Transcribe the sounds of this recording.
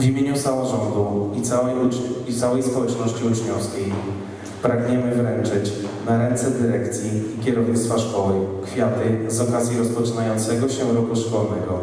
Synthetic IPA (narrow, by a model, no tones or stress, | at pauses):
vʲimʲjeɲusamɔʐɔnd̪uit̪sawɛjuit̪sawɛjspɔwɛt͡ʂnɔɕt͡ɕiut͡ʂɲɔfskʲej | pɾaɡɲɛmɘvɾɛnt͡ʂɘt͡ɕ | naɾɛnt̪sɛd̪ɘɾɛkt̪sʲjiːkʲɛɾɔvɲit̪st̪faʂkɔwɘkfʲjat̪ɘzɔkazʲjiɾɔspɔt͡ʂɘnajɔ̃nt̪sɛɡɔɕɛɾɔkuʂkɔlnɛɡɔ